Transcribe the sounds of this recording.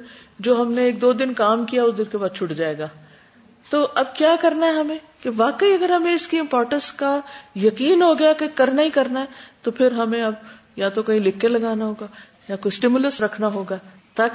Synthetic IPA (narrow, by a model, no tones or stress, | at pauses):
d͡ʒoːɦɐmneːk̚d̪oːd̪ɪnkaːmkijaɛʊsd̪ɪnkebaːd̪̚t͡ʃʰʊʈd͡ʒaːeːɡaː | t̪oːʔɐb̚kjaːkɐɾnaɦɛɦɐmẽː | keʋaːkəiɐɡəɾɦɐmẽɪskiɪ̃mpɔːɾʈə̃nskajɐkiːnɦoːɡɐjakekɐɾnaɦikɐɾnaɦɛt̪opʰɪɾɦɐmẽɐb | jat̪okɐɦĩlɪkːelɐɡaːnaɦoːɡaː | jakoːjsʈɪmʊləsɾɐkʰnaɦoːɡaː | t̪aːk